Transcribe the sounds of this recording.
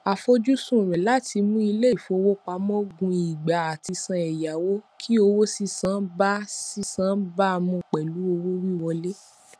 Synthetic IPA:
a˨fo˧d͡ʒu˦sũ˦˨ɾ̃ɛ̃˨la˨˦tʰi˧mũ˦i˧le˦˨fo˧wo˦k͡pa˧˦mɔ̃˦ɡũ˧i˨ɡ͡ba˨a˨ti˧sã˧ɛ˨ja˨wo˦kʰi˦o˧wo˦si˦˧sãː˨˦ba˦si˦sã˨˦ba˦a˧mɔ̃˧˨k͡pɛ˨lu˨˦o˧wo˦wi˦wɔ˧le˦

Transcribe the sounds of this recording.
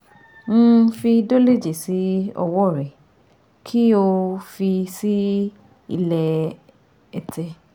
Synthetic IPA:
ñ̩˦˧fi˧do˦le˦˨d͡ʒe˨si˨˦ɔ̰˧wɔ˦˨ɾɛ˨ | kʰi˦o˧fi˧si˦ | ḭ˧lɛ˧ | ɛ˧tʰɛ˧

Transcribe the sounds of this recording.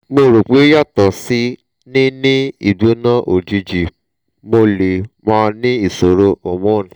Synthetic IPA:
mo˧ɾo˨k͡pe˨˦ja˦˨tɔ˨si˦ | nĩ˦nĩ˦i˦˨do˨˦nã˦ʔo˨d͡ʒi˧d͡ʒi˨ | mo˧le˨mãː˧nĩ˦i˦˨so˨ɾo˧o˨mõ˦˨ĩ˨

